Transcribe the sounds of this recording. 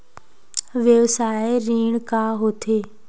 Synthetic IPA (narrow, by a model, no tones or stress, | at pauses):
ʋjəʋsaːeɾiːɳkaːɦoːt̪ʰeː